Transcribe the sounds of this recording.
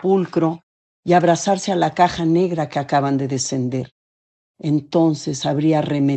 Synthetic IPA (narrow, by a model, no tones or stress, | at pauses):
pulkɾo̞ | iaβɾasaɾse̞alakaxane̞ɣɾake̞akaβand̪e̞ðe̞se̞nd̪e̞ɾ | e̞nt̪o̞nse̞saβɾiare̞me